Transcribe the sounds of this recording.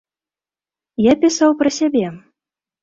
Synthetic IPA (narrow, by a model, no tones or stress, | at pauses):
japʲɪsawpɾɐsʲabʲɛ